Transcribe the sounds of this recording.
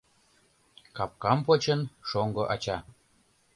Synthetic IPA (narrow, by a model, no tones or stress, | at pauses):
kɑp̚kɑmpot͡ɕənʃoŋɡɤʔɑt͡ɕɑ